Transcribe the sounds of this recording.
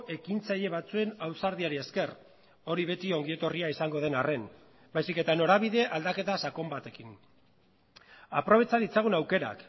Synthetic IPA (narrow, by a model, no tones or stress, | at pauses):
ʔe̞kint͡saʎe̞β̞at͡sue̞nawsaɾðiaɾie̞ske̞r | o̞ɾiβ̞e̞t̪io̞ŋɡie̞t̪o̞riaisaŋɡo̞ð̞e̞nare̞n | bajsike̞t̪ano̞ɾaβiðe̞ʔald̪ake̞t̪asako̞mbat̪e̞kin | a̰pɾo̞β̞e̞t͡saðit͡saɣ̞unawke̞ɾa̰k